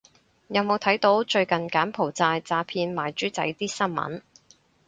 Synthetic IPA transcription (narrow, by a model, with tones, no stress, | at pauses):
jɐ˨˧wmo˨˧wt̪ʰɐ˨˥jt̪o˨˥wt͡ʃɵ˧ɥkɐ˨nkaː˨˥npʰo˨˩wt͡saː˧jt͡saː˧pʰiː˧nmaː˨˩jt͡ʃyː˨˥t͡sɐ̰˨˧˥jt̪iː˥sɐ˥nmɐ̰˨˥n